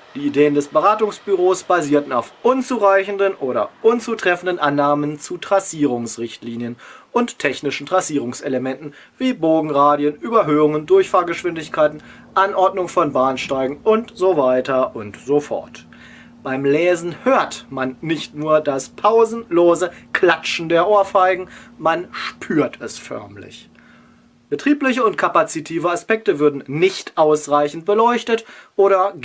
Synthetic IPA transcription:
d̥iːideːəndɛsb̥əʁaːtʊŋsb̥yʁoːsb̥aziːɐtn̩aʊfʔʊnt͡suːʁaɪçn̩dənʔoːɾɐ̰ʔʊnt͡suːtʁ̥ɛfn̩dənʔanːaːmənt͡sutʁ̥asiːʁ̞ʊŋsʁɪçtliːnjənʔʊnttʰːɛçnɪʃn̩tʁ̥asiːʁ̞ʊŋseləmɛntn̩ | v̥iːboːɡŋ̩ʁaːdjənʔyːbɐɦøːʊŋəndʊɐçfaːɐɡəʃv̥ɪndɪçkʰaɪtn̩ | ʔanʔɔɐtnʊŋfɔnbaːnʃtaɪɡŋ̩ʔʊntz̥ovaɪtɐʔʊntz̥ofɔ̰ɐt | b̥aɪmlɛːzn̩høːɐtmanːɪçtnuːɐdaspʰaʊzn̩loːzəkʰl̥at͡ʃn̩deːɐʔoːɐfaɪɡŋ̩manʃpʰyːɐtʰɛsfœ̰ɐmlɪ̰ç | b̥ətʁ̥iːplɪçəʊntkʰapat͡sitʰiːvəaspɛk̚təvʏɐdn̩nɪçtʔaʊsʁaɪçn̩t̚b̥əlɔʏçtətʔoːɾɐ

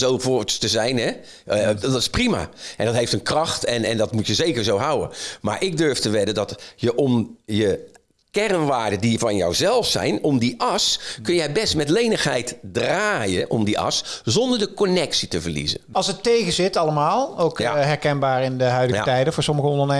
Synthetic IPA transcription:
zowvostəzɛjnɛ | dtɪ̥sprima̰ʔɛndɔtɦejftənkrɑxtɛnɛndɔtmutjəzejkərzowɦawə̰ma̰ɹʔɪɡ̚døɹftəʋɪdədɔtjəʔomjə | kɛrənʋaːɹdədivɑnjɔ̰wzɛlˠfsɛ̰jnɔmdiʔɑskɵnjɛjbɛstmɛtlejnəxhɛjtdraːjəʔɔ̰mdiʔɑ̰szɔndədəkonɛksitəvərlḭzə̰nɑlˠsətejɣəzɪtɑləmaːlˠowkɦɛɹkɛnbaːɹɪndəɦœɥdətɛjdəfoːɹsɔməɣəɔndərne

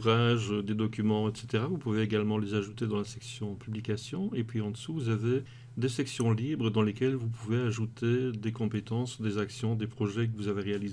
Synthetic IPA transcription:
ʁaʒd̪ed̪ɔkʲymɑ̃ɛt̪se̥t̪eʁavupuveeɡalmɑ̃lezaʒut̪ed̪ɑ̃lasɛksjɔ̃pyblikasjɔ̃epɥiɑ̃d̪əsuvuzave | d̪esɛksjɔ̃libʁəd̪ɑ̃lekʲɛlvupuveaʒut̪ed̪ekɔ̃pet̪ɑ̃sd̪ezaksjɔ̃d̪epχɔʒɛk̬əvuzaveʁealize

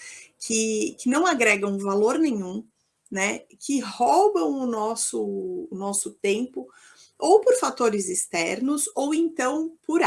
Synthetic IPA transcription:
kʰɪkɪnɐ̃w̃aɡɾɛɡɐ̃w̃ʊ̃valoɾnẽɲũ | nɛkʰɪhobɐ̃w̃ʊnɔsʊːnɔsʊt̪ẽmpʊ | owpoɾfat̪oɾɪzɪst̪ɛɾnʊzowẽnt̪ɐ̃w̃poɾ

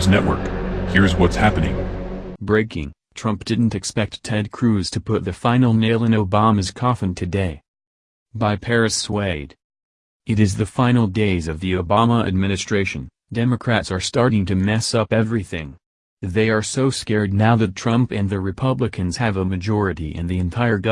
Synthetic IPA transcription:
znɛʔ̚wə̰˞khiɹzwʌtshæpɨ̃nɪ̰̃ŋbɹeɪkɪ̰̃ŋ | tʰɹ̥ʌ̃mp̚d̥ɪdⁿn̩tɨkspɛk̚tʰɛd̚kʰɹ̥ʉz̥tʰɨpʰʊt̪̚ðɨfãɪ̃nl̩ˠneɪlˠɨ̃noʊbɑmɨz̥kʰɑfɨ̃n̩tʰɨdeɪ | baɪpʰɛɹɨsweɪd | ɨɾɨzðɨfãɪ̃nl̩ˠdeɪzʌvðioʊbɑməɨ̰d̚mɪ̃nɨstɹ̥eɪʃɨ̃n | dɛmɨkʰɹ̥ætsə˞stɑɹɾɪ̃ŋtʰɨmɛsʌpɛvɹiθɪ̰̃ŋ | ðeɪə˞soʊskɛɹdⁿnaʊðɨtʰɹ̥ʌ̃mpɨ̃nðɨɹɨpʰʌblɨkʰɨ̃nz̥ɨvəmɨd͡ʒɔɹɨɾḭʔɨ̰̃nðiɨ̃ntʰaɪə˞ɡʌ

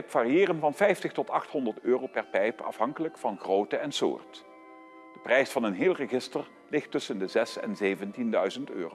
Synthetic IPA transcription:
pfaːriɪːrənvɑnfɛjftəχtɔtɑχtɦɔndəɹtøːrowpɛrpɛjpɑ̰fɦɑŋkələkfɑnχrowtəɛnsʊ̰ːɹt | d̥əprɛjsfɑnənɦɪːlˠrəχɪstər | lɪxtːɵsəndəzɛsɛ̰nzejvəntindœɥzəntø̰ːr

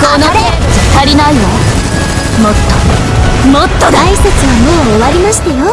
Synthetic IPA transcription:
konoe | sɨt̪ːaɾʲinaino | mot̪ːo | mot̪ːod̪aiset͡sɨβamoːβaɾʲimaɕi̥t̪ajo

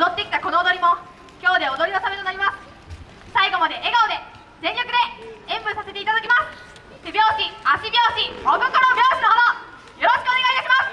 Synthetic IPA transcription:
od̪o̞t̪ːekʲi̥t̪ako̞noːd̪o̞ɾʲimo̞ | kʲo̞ːd̪e̞od̪o̞ɾʲinosame̞t̪o̞naɾʲimasɨ̥ | saiɡo̞mad̪e̞ʔeɡaod̪e̞ | zẽ̞ɲʲakɯ̟d̪e̞ẽmbɯ̟sase̞t̪eit̪ad̪akʲimasɨ̥ | bʲjo̞ːɕiaɕibʲo̞ːɕibomɯ̟koɾobʲjo̞ːɕinoɦod̪o | jo̞ɾo̞ɕkɯ̟o̞ne̞ɡait̪aɕimasɨ̥

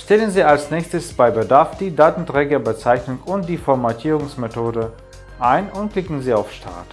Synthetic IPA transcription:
ʃtɛlənziːalsnɛːçstəsb̥aɪbədaɐfd̥iːdaːtn̩tʁ̥ɛːɡɐbət͡saɪçnʊŋʊnt̚d̥iːfɔɐmatʰiːʁʊŋsmetʰoːdə | ʔaɪnʊntkl̥ɪkŋ̩ziːaʊfʃtʰa̰ɐt

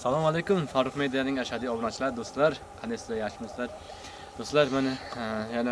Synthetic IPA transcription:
sɑlˠɑmɑlˠejkumfɑːɾʊqmejd̪ijanɪŋɛʃɑd̪ionɑt͡ʃʰilˠɑɾd̪ost̪lˠɑɾ | qʰɛnɪsd̪ɛjɑʃmoslˠɑɾ | d̪̥ost̪lˠɑɾmɛnɪjɛnɪ

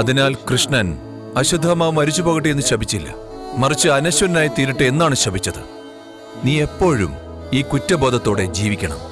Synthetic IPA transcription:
ɐðinaːlkrɨʂɳɐn | ɐɕud̪ʱːɐmaːʋumɐɾit͡ɕːupo̞ːɣiʈːɨe̞nːɨɕɐbʱit͡ɕːilːɐ̰ | mɐrit͡ɕːɨɐnɐɕwɐɾnaːjit̪iːɾiʈːɨe̞nːaːɳɨɕɐbʱit͡ɕːɐðɨ | niːe̞pːo̞ːɻṵm | iːkutːɐbo̞ːd̪ʱɐt̪ːo̞ːɽe̞d͡ʑiːʋikʲːɐɳɐ̰m

